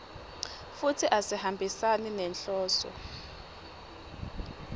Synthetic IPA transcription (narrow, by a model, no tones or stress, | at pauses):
futʰiʔasihambʱisaninɛnɬɔːsɔ̰